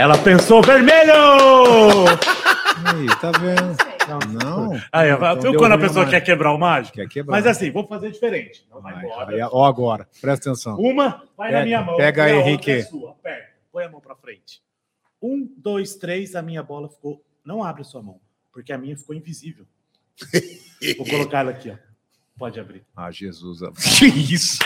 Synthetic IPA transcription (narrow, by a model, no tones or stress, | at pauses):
ɛlɐpẽsoveɾmeʎʊ | ait̪avẽd̪ʊnɐ̃w̃nɐ̃aiɛvaew̪ɐ̃nd̪ʊɐpesoɐkɛɾkebɾaɾʊmaʒɪkkɛʊkebɾamazasĩvõwfazeɾd͡ʒifeɾẽnt͡ʃɪ̥nɐ̃w̃vajɔɾɐoaɡɔɾɐpɾɛst̪ɐt̪ẽsɐ̃w̃ũmɐvajɐmĩɲɐmɐ̃w̃pɛɡɐẽɦikesuɐpɛɾt̪ɐpõj̃ɐmɐ̃w̃pɾɐfɾẽnt͡ʃɪ̥ | ũd̪ojst̪ɾejzɐmĩɲɐbɔlɐfi̥ko | nɐ̃w̃abɾɪɐsuɐmɐ̃w̃ | poɾkeɐmĩɲɐfi̥koĩvizivew | vowkolokaɛlɐakiɔ | pɔd͡ʒɪabɾia̰ʒezuza̰isʊ̥